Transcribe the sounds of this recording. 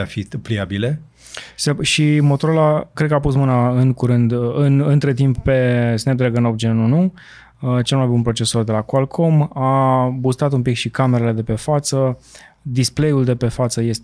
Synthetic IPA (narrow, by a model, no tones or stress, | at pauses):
afipliabile | seʃimo̞t̪oɾolakɾe̞d̪kəapusmɨnaɨŋkuɾɨnd̪ɨnɨnt̪ɾe̞t̪imp̚pe̞snep̚d̪ɾeɡɨnopd͡ʒennunu | ət͡ʃe̞lmajbunpɾo̞t͡ʃe̞sord̪e̞lakualkʰo̞mabust̪at̪umpikʃikame̞ɾele̞d̪e̞pe̞fat̪sə | d̪isple̞juld̪e̞pe̞fat̪səje̞s